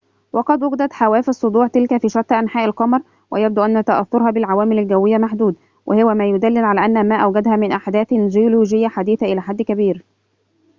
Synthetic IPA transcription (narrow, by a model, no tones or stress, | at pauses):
wɑqɑd̪wʊɡɪd̪æt̪ħawæːfɑsˤːod̪ˤuːʕt̪ɪlkæfiːʃɑˤt̪ːʔænħaːʔɪlqɑmɑɾˤ | wʔɪjæb̚d̪uːʔænːæt̪aʔæ̰θːʊɾˤhɑːbɪlʕawæːmɪlalɡæwːɪjːamaħd̪uːd̪ | wʔɪ̰hʊwæmæːjʊd̪ælːɪlʕalæːʔænːhæmæːʔæwɡæd̪hæːmɪnʔaħd̪æːθd͡ʒɪjoluːʒɪjːæħad̪iːθaʔɪlæːħad̪ːkæbiːɾ